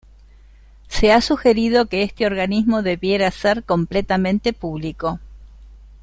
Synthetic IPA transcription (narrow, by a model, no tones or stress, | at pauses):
se̞asuxe̞ɾið̞o̞keest̪eo̞ɾɣanizmo̞ðe̞βjeɾaseɾko̞mplet̪amẽ̞nt̪e̞puβliko̞